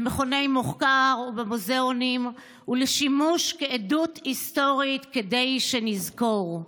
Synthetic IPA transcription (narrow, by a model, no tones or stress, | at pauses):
meχone̞jmoχkaʁubemozeonim | uleʃimuʃkeedut̪ist̪o̞ʁit̪kede̞jʃenizko̞ʁ